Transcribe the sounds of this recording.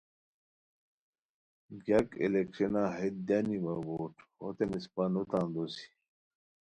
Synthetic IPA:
ɡɐkḛlekʂenaːɦet̪̚d̪animaboːʈʰot̪emispanut̪ãnd̪osi̥

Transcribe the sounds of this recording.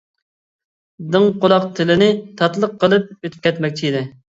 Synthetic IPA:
d̪ɨŋqʰolˠɑqt̪ʰɪlɪnɪt̪ʰɑt̪lˠəqʰːəlˠɨp̚øt̪ʰy̥p̚kʲʰɛt̪mɛk̚ʲt͡ʃʰiid̪ɪ

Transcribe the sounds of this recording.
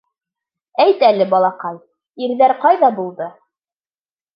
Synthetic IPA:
æjt̪ælɘbɑlˠɑqɑj | iɾðæɾqɑjðɑbulˠd̪ɤ

